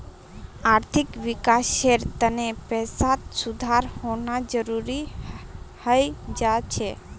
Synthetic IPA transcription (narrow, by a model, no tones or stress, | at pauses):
aɾt̪ʰɪkʋikaseɾt̪ənepɛːsat̪sud̪ʱaɾhonad͡ʒəɾuɾi | həjd͡ʒat͡ʃʰe